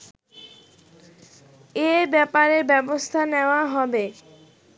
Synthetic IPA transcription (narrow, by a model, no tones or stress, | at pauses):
ebɛpaɾebɛbost̪ʰaneoaɦɔbe